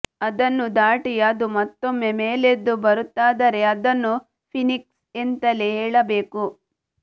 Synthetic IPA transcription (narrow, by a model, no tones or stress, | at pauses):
ɐd̪ɐnːud̪aːʈijad̪umɐt̪ːo̞mːe̞meːled̪ːubɐɾut̪ːaːd̪ɐɾe̞ɐd̪ɐnːu | pʰiniks | ent̪ɐleɦɛːɭɐbe̞ːku